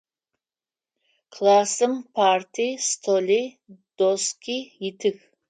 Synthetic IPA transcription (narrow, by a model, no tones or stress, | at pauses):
kʰlaːsɨmpʰaːrtʰistʰoli | d̥oskʲʰijɪtʰɨx